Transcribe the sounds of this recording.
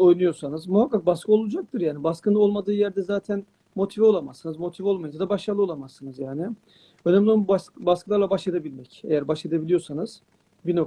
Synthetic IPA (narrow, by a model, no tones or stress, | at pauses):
o̞jnujo̞sanɯzmuhakːak̚baskɯo̞lˠud͡ʒak̚t̪ʰɯɾjaːnibaskɯnɯo̞lˠmad̪ɯːjæɾd̪ɛzaːt̪ʰæn | mo̞t̪ʰivɛo̞lˠamasːɯnɯzmo̞t̪ʰivɛo̞lˠmajɯzad̪abaʃlalˠɯo̞lˠamasːɯnɯzjaːnɪ | ønɛmlʲnbasbaskɯlˠaɾlˠabaʃlˠed̪ebilʲmɛcḛjæɾbaʃlˠad̪ebilʲijo̞sanɯz̥ | bino